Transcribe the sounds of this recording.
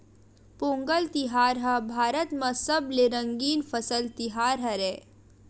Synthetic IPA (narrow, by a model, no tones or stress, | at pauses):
põːŋɡəlt̪ɪɦaːɾɦɐbʱaːɾət̪mãsɐbleɾə̃ŋɡiːnfʰəsəlt̪ɪɦaːɾɦɛɾɛː